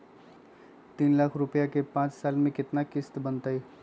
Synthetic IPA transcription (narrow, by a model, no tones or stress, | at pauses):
t̪iːnlakʰɾʊpjakepãːt͡ʃsaːlmẽkɪt̪nakɪst̪bənt̪əj